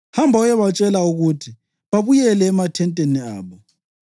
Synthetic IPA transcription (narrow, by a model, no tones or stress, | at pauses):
hambʱaɔjɛβat͡ʃʼɛlauɣutʰi | βaβujɛlɛːmatʰɛntʼenia̰ːβɔ